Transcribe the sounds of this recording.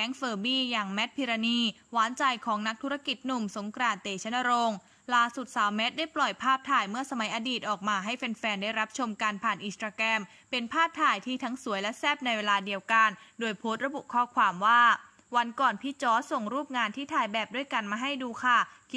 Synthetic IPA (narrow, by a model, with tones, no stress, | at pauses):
kɛː˦˥ŋfɤː˧˩biː˥˩jaː˨˩ŋmɛ˦˥t̪̚pʰiː˧ɾa˧niː˧ | waː˨˦˥nt͡ɕa˧jkʰɔː˩˦ŋna˦˥k̚t̪ʰu˦˥ɾa˧ki˨˩t̪̚nu˨˩mso˩˦ŋkɾaː˧˩nt̪eː˨˩t͡ɕʰa˨˦˥na˧ɾo˧ŋ | laː˥˩su˨˩t̪̚saː˨˦wmɛ˦˥t̪̚da˥˩jplɔ˨˩jpʰaː˥˩p̚t̪ʰaː˨˩jmɯ˥˩ɐsa˧ma˨˩˦jʔa˧diː˨˩t̪̚ʔɔː˨˩k̚maː˧ɦa˥˩jfe˧nfɛː˧ndaː˥˩jɾa˦˥p̚t͡ɕʰo˧mkaː˧npʰaː˨˩nʔiː˨˩st̪ɾaː˧kɛː˧m | pe˧npʰaː˥˩p̚t̪ʰaː˨˩jt̪ʰiː˥˩t̪ʰa˦˥ŋsu˩˦jlɛ˦˥sɛː˥˩p̚na˧jweː˧laː˧di˧əwka˧ndoː˧jpʰoː˦˥t̪̚ɾa˧bṵ˨˩ʔkʰɔː˥˩kʰwaː˧mwaː˥˩ | wa˧nkɔː˨˩npʰiː˦˧˥t͡ɕɔː˦˥so˨˩ŋɾuː˥˩p̚ŋaː˧nt̪ʰiː˥˩t̪ʰaː˧˩jbɛː˨˩p̚du˥˩əjka˧nmaː˧ɦa˥˩jduː˧kʰa˥˩